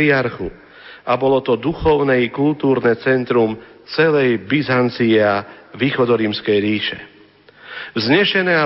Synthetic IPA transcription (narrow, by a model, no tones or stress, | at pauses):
iaɾxu | abɔlɔt̪ɔd̪uxɔʊnɛikult̪uːɾnɛt͡sɛnt̪ɾum | t͡sɛlɛjbizant͡siɛaʋiːxɔd̪ɔɾiːmskɛjɾiːʃɛ | vzɲɛʃɛnɛːa